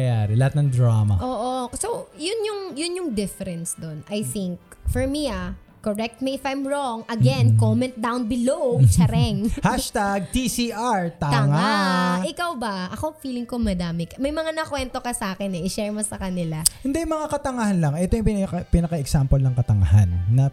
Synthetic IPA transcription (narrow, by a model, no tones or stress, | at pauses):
ɐjaːɾɛlɐhat̪̚nɐŋd̪ɾaːmɐ̰ʔoːʔosojʊnjʊŋjʊnjʊŋd̪ɪfɛɾɛnsd̪onʔɐjθɪŋk̚fɔɹmia | koɹɛk̚t̪̚miɪfɐjmɹoŋʔɐɡɛnkomɛ̃nt̪̚d̪awnbɪlowt͡ʃɐɾɛŋhaʃt̪aɡ̚t̪isiʔaɹt̪aːŋaɪkawbɐʔɐkofiːlɪŋkomɐd̪aːmɪkɐmɐjmɐŋanɐkwɛnt̪o̞kɐsaːkɛnɛʔɪʃɛɹmosɐkɐnɪlahɪnd̪ɛjmɐŋakɐt̪ɐŋɐhɐnlɐŋʔɛt̪ojʊŋpɪnɐkɐpɪnɐkɐɛksampolnɐŋkɐt̪ɐŋɐ̰ha̰nːɐ